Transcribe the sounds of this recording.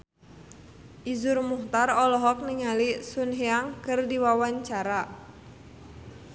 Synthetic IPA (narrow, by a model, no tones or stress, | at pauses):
ʔizʊrmuht̪arɔlɔɦɔk̚niŋalisunɦiaŋkɨrdiwawaɲt͡ʃaɾa